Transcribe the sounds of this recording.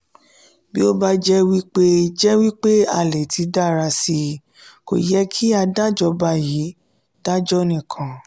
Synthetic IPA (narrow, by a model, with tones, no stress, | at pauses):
bi˦o˦ba˦d͡ʒɛ˦wi˦k͡pe˦d͡ʒɛ˦wi˦k͡pe˦a˦˨lɛ˨ti˨˧˦da˦˨ɾa˧si˧ | ko̰˨jɛ˨˦kʰi˦a˧da˦d͡ʒɔ˧ba˧˨ji˨˦ | d̥a˦d͡ʒɔ˦nĩ˨kʰã˨